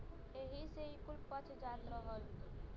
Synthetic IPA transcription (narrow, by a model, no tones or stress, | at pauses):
eɦiseikulpət͡ʃʰd͡ʒat̪ɾɔɦɔl